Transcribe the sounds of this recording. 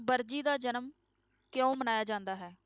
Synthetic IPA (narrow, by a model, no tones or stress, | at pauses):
bəɾd͡ʒiːd̪aːd͡ʒənəm | kjõːmənaːjaːd͡ʒãːnd̪aːɦɛː